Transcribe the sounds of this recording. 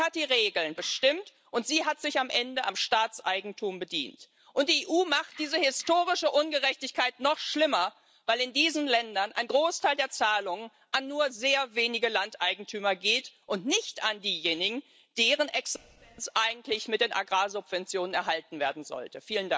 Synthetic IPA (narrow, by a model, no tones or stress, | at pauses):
hat̚d̥iːʁeːɡl̩nbəʃtɪmt | ʔʊntz̥iːɦatz̥ɪçamʔɛndəʔamʃtaːt͡sʔaɪɡŋ̩tʰuːmbədḭːnt | ʔʊnt̚d̥iːeːʔuːmaχt̚d̥iːzəhɪstoːʁɪʃəʔʊnɡəʁɛçtɪçkʰaɪtnɔχʃlɪmɐ | vaɪlɪndiːzən̩lɛndɐnʔaɪnɡʁoːstʰaɪldeːɐt͡saːlʊŋən | ʔanːuːɐzeːɐveːnɪɡəlantʔaɪɡŋ̩tʰyːmɐɡeːtʔʊntnɪçtandiːjeːnɪɡŋ̩ | d̥eːʁənʔɛksɪtɛnt͡sʔaɪɡŋ̩tlɪçmɪt̚d̥eːnʔa̰ɡʁaːzʊpv̥ɛnt͡sjoːnənɛ̰ɐɦaltn̩veːɐdn̩zɔ̰ltəfiːləndaŋ